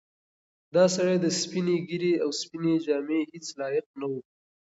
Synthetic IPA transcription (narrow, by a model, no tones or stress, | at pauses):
d̪ɑsaɽajd̪əspineɡiɾeawspined͡ʒɑmehet͡slɑjɪq̚nawu